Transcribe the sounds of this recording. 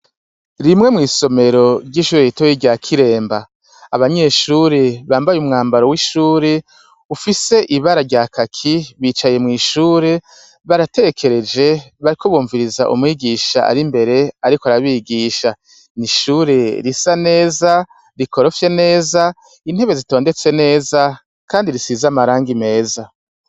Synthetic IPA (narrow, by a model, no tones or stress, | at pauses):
ɾimŋe̞mŋiːso̞me̞ɾo̞ɾɟiːʃuːɾeitojiɟakʰiɾe̞ːmbaː | βaɲe̞ʃuːɾeβaːmbajumŋaːmbaɾo̞wiʃuːɾe̞ | ufise̞ʔiβaɾaɾɟaːkʰakʰiβiːt͡ʃaje̞mŋiːʃuːɾe̞ | βaɾate̞ekʰe̞ɾe̞d͡ʒe̞βaɾikʰoβuːɱviɾiza̰ʔṵmŋiːɡiʃaʔa̰ɾimbe̞ɾe̞aɾikoaɾaβiːɡiːʃa | niʃuːɾe̞ɾisane̞ːza | ɾiko̞ɾo̞fje̞ne̞ːza | in̥he̞βe̞zito̞ːnde̞t͡se̞ne̞ːza | kʰaːndiɾisiːzamaɾaːŋɡime̞ːza